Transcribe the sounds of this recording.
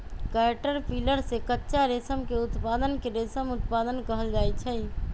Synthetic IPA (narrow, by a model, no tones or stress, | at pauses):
kaʈəɾpʰiːləɾsekətːʃaɾeːsəmkeʊt̪paːd̪ənkeɾeːsəmʊt̪paːd̪ənkəɦəld͡ʒaːɛt͡ʃʰɛ